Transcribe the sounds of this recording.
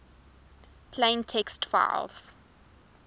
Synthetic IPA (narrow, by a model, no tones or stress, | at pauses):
pʰlẽɪ̃ntʰɛkstfa̰ɪlz̥